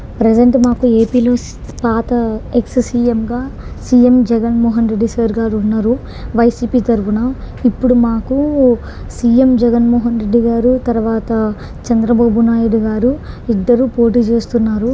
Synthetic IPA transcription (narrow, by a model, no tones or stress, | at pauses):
pɾed͡ʒɐɳʈmaːkue̞ːpiːlo̞ː | paːt̪ɐekssiːemɡaːsiːemd͡ʒɛɡɐnmɔːɦɐnɾe̞ɖːiseːɾɡaːɾunːaɾu | ʋɐjsiːpiːt̪ɐɾupunɐ | ipːuɽumaːku | siːe̞md͡ʒɛɡɐnmɔːɦɐnɾe̞ɖːiɡaːɾut̪ɐɾuʋaːt̪ɐ | t͡ʃɐnd̪ɾɐbaːbunaːjuɽiɡaːɾuid̪ːɐɾuːpoːʈiːt͡ʃe̞ːst̪unːaːɾu